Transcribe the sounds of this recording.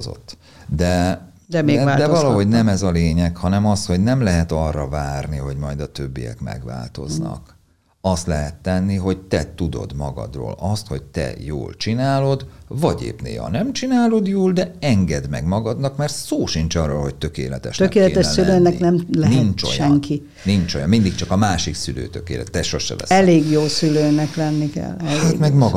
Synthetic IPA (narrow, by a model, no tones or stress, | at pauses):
zo̞̰t̪ː | d̪ɛ | d̪ɛmeːɡad̪ɛvɒlɒɦo̞ɟnɛmɛzɒleːɲɛkhɒnɛmɒsho̞ɟnɛmlɛɦɛt̪ɒrːɒvaːrniɦo̞ɟmɒjd̪ɒt̪ø̞bːijɛ̰kmɛ̰ɡʋa̰ːlt̪o̞znɒ̰k | ɒst̪lɛɦɛt̪ːɛnːiɦo̞ɟt̪ɛt̪ud̪o̞̰d̪mɒɡɒ̰d̪ro̰ːlɒst̪ho̞ɟt̪ɛ̰jo̰ːlt͡ʃinaːlo̞d̪vɒɟḛːpnḛːɦɒ̰nɛmt͡ʃinaːlo̞d̪joːld̪ɛɛŋɡɛd̪mɛɡmɒɡɒd̪nɒkmɛrt̪soːʃint͡ʃɒrːoːlɦoc̚t̪ø̞keːlɛt̪ɛʃt̪økeːlɛt̪ɛʃsyløːnɛknɛmlɛnint͡ʃo̰jʃɛŋki | nint͡ʃojɒmmind̪ikt͡ʃɒkɒmaːʃiksyløːt̪økeːlɛt̪ːɛʃo̞ʃʃɛ̰vɛ̰sɛleːɡjoːsyløːnɛklɛnːikɛ̰lːɛat̪mɛɡmɒɡ